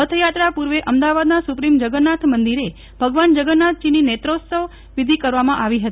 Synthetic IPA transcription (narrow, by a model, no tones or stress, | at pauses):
ət̪ʰjat̪ɾapuɾʋeʔəmd̪aʋad̪nasupɾimd͡ʒəɡənːat̪ʰmənd̪iɾe | bʱəɡʋand͡ʒəɡənːat̪̚ʰd͡ʒininet̪ɾot̪səʋ | ʋid̪ʱikəɾʋamãʔaʋiɦət̪i